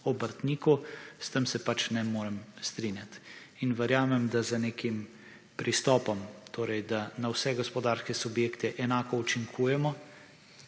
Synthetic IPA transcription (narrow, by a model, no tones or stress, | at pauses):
ɔbəɾt̪niːkust̪əmsɛpat͡ʃnɛmoːɾɛmst̪ɾinjat̪ | inʋɛɾjaːmɛmd̪azaneːkim | pɾʔist̪ɔːpɔmt̪ʰoːɾɛjd̪anawsɛɡɔspɔd̪aːɾskɛsubjeːkt̪ɛʔɛnaːkɔut͡ʃiŋkʰuːjɛmɔ